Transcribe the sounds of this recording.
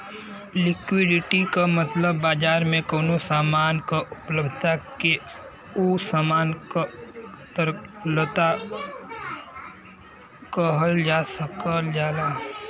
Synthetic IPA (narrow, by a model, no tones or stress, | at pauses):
lɪkwɪɖɪʈikamət̪ləbːaːd͡ʒaːɾmẽkoːnosaːmaːnkaʔʊpləb̪ʱt̪ake | usaːmaːnkat̪əɾlət̪a | kəɦəld͡ʒaːsəkəld͡ʒaːla